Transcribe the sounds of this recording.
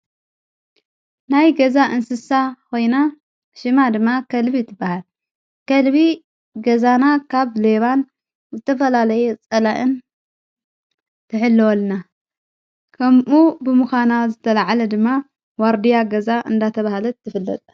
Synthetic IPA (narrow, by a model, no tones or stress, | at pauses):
najɡɐzaʔɨnsɨsakʰo̞jna | ʃɨmad̪ɨmːakʰɐlβit̪ʰːɨbːahal | kɐlβi | ɡɐzanakʰaβle̞βan | zɨt̪ʰɐfɐlalɐjet͡sʼɐlaʔɨn | t̪ʰɨħɨlːɨwɔlna | kʰɐmʔubɨmɨxanazɨt̪ʰɐlaʕalɐd̪ɨmːa | waɾd̪ijaɡɐzaʔɨnd̪at̪ʰɐβahalɐːɨfɨlːɐ̰t̪ʼ